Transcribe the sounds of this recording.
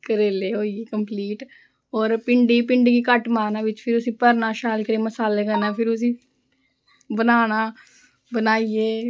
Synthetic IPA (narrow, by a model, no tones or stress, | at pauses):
kəɾeːleːɦoːieːkə̃mpliːʈ | ɔːɾpɪɳɖipɪ̃ɳɖiːkikəʈmaːnaːʋɪt͡ʃpʰɪɾʊsipəɾnaʃaːlkəɾeːməsaːlekənapʰɪɾʊsi | bənaːnaː | bənaːieː